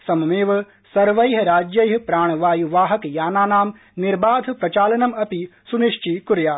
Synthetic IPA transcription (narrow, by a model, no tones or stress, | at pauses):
sɐmmeːʋɐ | sɐɾʋɐjɦɐɾaːd͡ʒjɐjɦɐpɾaːɳ̃ʋaːjuʋaːɦɐkjaːnaːnaːm | nɪɾbaːd̪ʱpɾɐt͡ʃaːlɐnɐmɐpisuniʃt͡ʃikuɾjaː